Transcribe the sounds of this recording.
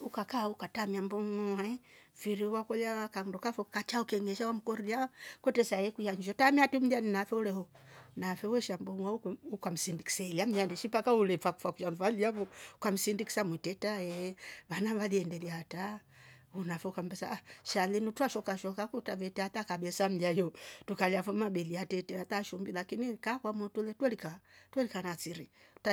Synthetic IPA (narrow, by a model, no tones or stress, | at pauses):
ukakaukatamiambɔŋɔaɛ | fiɾiwakɔlawakandɔkafɔkat͡ʃaukɛŋɛʃawam̩kɔɾiakɔtɛsaɛkujaɲd͡ʒɔtamiatum̩lianinafɛulɛhɔ | nafɛuwɛʃambɔŋwaukukam̩sindiki̥sɛɛliam̩jandɛʃipakaulɛfaku̥fakuʃamfaliavɔkam̩sindiki̥samwɛtɛtaɛβanavaðiɛndɛliata | unafɛukam̩bɛsaʃalinutuaʃɔkaʃɔkakutavɛtɛat̪akaɓɛsam̩lajɔtukaliafɔmaɓɛliatɛtɛat̪aʃumbilakinikakwamɔtulɛtwɛlikatwɛlikanat͡siɾita